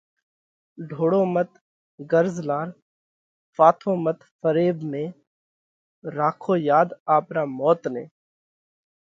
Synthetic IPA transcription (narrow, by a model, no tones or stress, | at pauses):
ɖʱoːɽoːmət̪ | ɡəɾzlaːɾ | faːt̪ʰõːmət̪fəɾeːbmẽː | ɾaːkʰoːjaːd̪aːpɾaːmɔːt̪nḛ̃ː